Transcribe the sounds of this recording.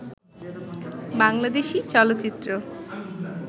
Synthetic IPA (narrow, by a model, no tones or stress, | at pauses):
baŋlad̪eʃit͡ɕɔlot̪ːt͡ɕɕit̪ːɾo